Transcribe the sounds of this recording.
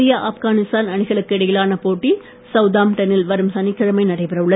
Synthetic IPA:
ɪjaʔɐfɣaːnɪst̪aːnɐɳɪɣɐɭɯkːɯɪɽɐjɪlaːnɐpoːʈːi | sɐʋd̪aːmʈɐnɪlʋɐɾɯmsɐnɪkːɐɾɐmɐɪnɐɽɐɪpɐɾɐʋɯɭːɐð

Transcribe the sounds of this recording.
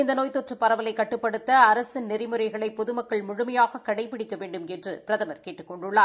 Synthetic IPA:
ɪnd̪ɐnoːjt̪ːoːʈrɐpːɐɾɐʋɐlɐɪkːɐʈːɯpːɐɽɯt̪ːɐːɾɐsɪnːɪɾɐɪmɯɾɐɪɣɐɭɐɪpːɔðɯmɐkːɐɭmʊɻʊmɐjaːɣɐkːɐɽɐɪpːɪɽɪkːɐʋeːɳɖɯmɛndrɯpɪɾɐðɐmɐɾkeːʈːɯkːɔɳɖʊɭːaː

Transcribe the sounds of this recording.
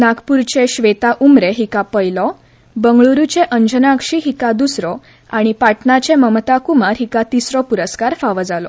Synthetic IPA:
nakpuɾt͡ɕeɕʋet̪aʔumɾeɦikãpəjlɔ | bəŋɡɭuɾut͡ɕeʔəɲd͡ʑənãkʂiɦikãd̪usɾɔ | aɽ̃ipaʈnat͡ɕẽməmt̪akumaɾɦikat̪isɾɔpuɾəskaɾfaʋəd͡zalɔ̰

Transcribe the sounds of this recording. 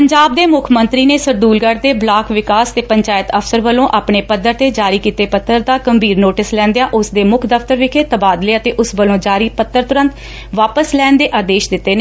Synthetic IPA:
pəɲd͡ʒaːb̚d̪eːmʊkʰmənt̪ɾiːneːsəɾd̪uːlɡəɽd̪eːblaːkʋɪkaːst̪eːpəɲt͡ʃaːjət̪əpʰsəɾʋəlõːʔaːpɳeːpəd̪əɾt̪eːd͡ʒaːɾiːkiːt̪eːpət̪ːəɾd̪aːkəmbʱiːɾnoːʈɪslɛ̃ːnd̪ejaːʔʊsd̪eːmʊkʰd̪əft̪əɾʋɪkʰeːt̪əbaːd̪leːət̪eːʔʊsʋəlõːd͡ʒaːɾiːpət̪ːəɾt̪ʊɾə̃nt̪ | ʋaːpəslɛːnd̪eːʔaːd̪eːʃd̪ɪt̪ːeːneː

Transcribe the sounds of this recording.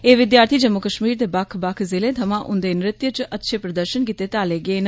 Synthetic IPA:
eːʋɪd̪jaːɾt̪ʰiːd͡ʒəmːʊkəʃmiːɾd̪eːbakʰbakʰzɪleːt̪ʰəmãːʔʊ̰̃nd̪eːnɾɪt̪jət͡ʃʔət̪ːʃʰeːpɾəd̪əɾʃənkiːt̪eːt̪aːleːɡeːn

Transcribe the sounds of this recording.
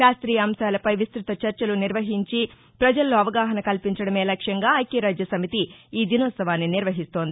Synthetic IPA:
ʃaːst̪ɾijɐɐmʃaːlɐpɐjʋist̪ɾut̪ɐt͡ʃɐɾt͡ʃɐluniɾʋɐɦiɲt͡ʃi | pɾɐd͡ʒɐlːoːɐʋɐɡaːɦɐnɐkɐlpiɲt͡ʃɐɽɐme̞ːlɐkʂɐŋɡaːɐjkeːɾaːd͡ʒjɐsɐmit̪iːd̪inɔt̪sɐʋaːnːiniɾʋɐɦist̪oːnd̪ii

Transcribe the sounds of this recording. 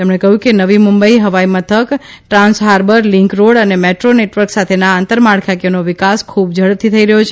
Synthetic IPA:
t̪emɳekəɦjũkenəʋimumbəiɦəʋaimət̪ʰək | ʈɾãnsɦaɾbəɾlɪ̃ŋkɾoɽənemeʈɾoneʈʋəɾksat̪ʰenaːnt̪əɾmaɽkʰakjonoʋɪkaskʰub̚d͡ʒʱəɽət̪ʰit̪ʰəiɾəɦjot͡ʃʰ

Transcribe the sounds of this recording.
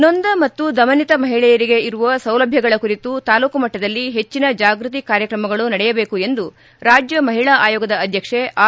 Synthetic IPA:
nond̪ɐmɐt̪ːud̪ɐmɐnit̪ɐmɐɦiɭɛjɐɾiɡe̞iɾuʋɐsɐwlɐbʱjɐɡɐɭɐkuɾit̪ut̪aːluːkumɐʈːɐd̪ɐlːiɦe̞t͡ʃːinɐd͡ʒaːɡɾut̪̬ikaːɾjɐkɾɐmɐɡɐɭunɐɽɛjɐbeːkue̞nd̪u | ɾaːd͡ʒjɐmɐɦiɭaʔaːjɔːɡɐd̪ɐːd̪ʱjɐkʂeʔaː

